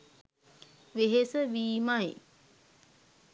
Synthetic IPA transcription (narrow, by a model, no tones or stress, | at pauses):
ʋeɦesəʋiːmaj